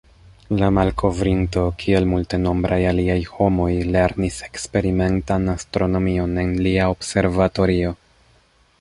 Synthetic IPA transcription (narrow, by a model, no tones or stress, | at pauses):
lamalkʰo̞vɾinto̞kʰie̞lmulte̞no̞mbɾajaliajho̞mo̞jle̞ɾnise̞̥kspe̞ɾime̞ntanastɾo̞no̞mio̞ne̞nliaobse̞ɾvato̞ɾio̞